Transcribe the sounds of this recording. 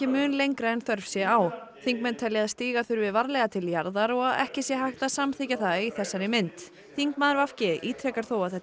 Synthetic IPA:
cɪmʏːnlejŋkɾaɛnθœɾfsjɛawθiŋkmɛnt̪ʰɛljɪaðst̪iːɣḁθʏɾvɪðvaɾlɛɣat̪ʰɪljaɾðaɾɔɣaðɛ̰hcɪsjɛɦajxt̪asamθiːcaθaiθɛsːaɾɪmɪnt̪ | θiŋkmaːðɪɾvafcɪiːt̪ʰɾɛkaɾ̥θowaðθɛt̪

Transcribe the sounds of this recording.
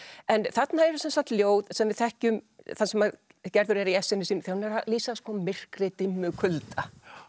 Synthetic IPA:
ɛnθat̪naɛɾsɛnsaht̪ljoːwðsɛmvɪðθɛhcʏmθansɛma | cɛɾðʏɾɛɾiɛsːɛnːɪsiːnθahanɛɾaliːsaskɔːmɪr̥kɾɪt̪ɪmːʏkʰʏlt̪a

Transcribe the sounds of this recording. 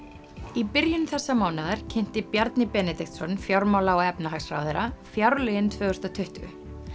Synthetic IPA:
ipɪɾjʏnθɛsːamaːwnaðaɾ̥cʰɪn̥t̪ɪpjaɾt̪nɪpɛːnɛt̪ikt̪sɔnfjawɾmawlaɔɛpnaɦaxsɾa̰ːwðɛɾafjawɾlʏɪnt̪ʰvœːɣʏst̪at̪ʰʏht̪ʏʏ̰

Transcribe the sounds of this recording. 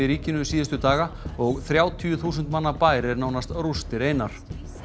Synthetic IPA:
ɪɾiːcɪnʏsiːðɪst̪ʏt̪aːɣaɔɣθɾjaːwt̪ʰyʏθuːsʏnt̪manːapaːjɾɪɾnaːwnast̪rust̪ɪɾeːjnaɾ̥

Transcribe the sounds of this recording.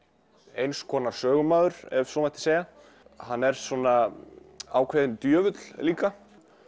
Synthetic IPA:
ejnskʰɔːnaɾ̥sœːɣʏmaːðʏɾɛvsɔːmat̪ɪ̥seːja | hanːɛɾ̥sɔna | awkʰvɛːðɪnt̪jœːvʏt̪l̥liːka

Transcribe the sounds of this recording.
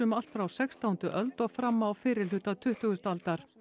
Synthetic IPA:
ʏmal̥t̪fɾawsɛkst̪ʰaːwnt̪ʏʔœlt̪ɔɣfɾamːaːwfɪːɾɪlʏt̪at̪ʰʏht̪ʏɣʏst̪alt̪aɾ̥

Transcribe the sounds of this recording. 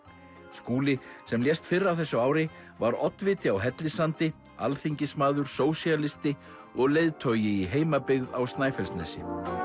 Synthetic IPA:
skuːlɪsɛmljɛst̪fɪrːawθɛsːʏaːwɾɪ | vaɾɔt̪nvɪːt̪ɪawɦɛt̪lɪsant̪ɪ | alθiɲcɪsmaːðʏɾ̥soːwsialɪst̪ɪ | ɔɣlejðt̪ʰœːɥjɪiɦeːjmapɪɣðawst̪naːjfɛlst̪nɛsɪ̰

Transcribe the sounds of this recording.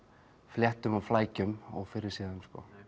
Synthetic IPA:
fljɛht̪ʏmawflaːjcʏmɔɣfɪɾɪɾ̥sɪːðʏmskɔ

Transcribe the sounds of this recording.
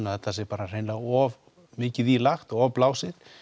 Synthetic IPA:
naðθɛt̪ːasɛɾpaːɾar̥ejnlaɣɔv | mɪːcɪðilaxt̪ɔɣɔvplaːwsɪð̥

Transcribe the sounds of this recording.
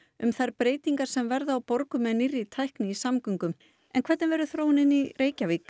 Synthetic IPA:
ʏmθaɾpɾeːjt̪iŋkaɾ̥sɛmvɛɾðaawpɔɾkʏmɛðnɪrːit̪ʰajhknɪisamkʏŋkʏm | ɛ̰nkʰvɛt̪nɪvɛɾʏθɾoːwnɪnːireːjcavik

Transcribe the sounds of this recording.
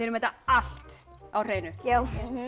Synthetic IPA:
ɪɾmɛt̪aaɬt̪ | awr̥ejnʏjaw

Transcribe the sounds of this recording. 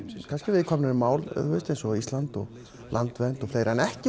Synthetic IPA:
kʰanscɪvɪðkʰɔːmnɪnmaːwlhœːst̪ejnsɔist̪lant̪ɔ̰ɣ | lʔant̪vɛnt̪ɔfleːjɾanɛhcɪ

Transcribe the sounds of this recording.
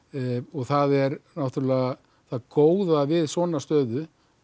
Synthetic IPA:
ɔɣθaðɛɾnawht̪ʏɾlɛːɣa | θaðkoːwðavɪðsɔːnast̪œːðʏ

